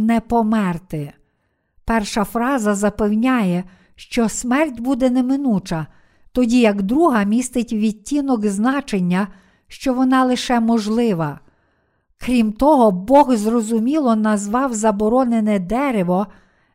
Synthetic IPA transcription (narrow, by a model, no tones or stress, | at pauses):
nɛpɔmɛrt̪ɪ | pɛrʃɐfɾɑzɐzɐpewnʲajɛ | ʃt͡ʃɔsmɛrtʲbud̪ɛnemɪnut͡ʃɐ | t̪ɔdʲijɐɡd̪ɾuɦɐmʲist̪ɪtʲwʋʲitʲinɔɡznɑt͡ʃenʲːɐ | ʃt͡ʃɔʋɔnɑlˠɪʃɛmɔʒlˠɪʋɐ | kɾʲimt̪ɔɦɔbɔɣzrɔzʊmʲilˠɔnɐzʋɑwzɐbɔɾɔnenɛd̪ɛɾeʋɔ